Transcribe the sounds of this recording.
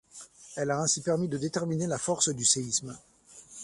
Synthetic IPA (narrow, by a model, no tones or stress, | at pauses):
ɛlaɛ̃sipɛʁmid̪əd̪et̪ɛʁminelafɔʁsd̪yseism